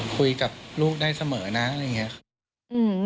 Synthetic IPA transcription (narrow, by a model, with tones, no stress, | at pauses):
kʰu˧jka˨˩p̚luː˥˩k̚daː˥˩jsa˧mɤː˩˦na˦˥ʔa˨˧jŋi˦˥ɐ˨˩ | ʔɯː˧˩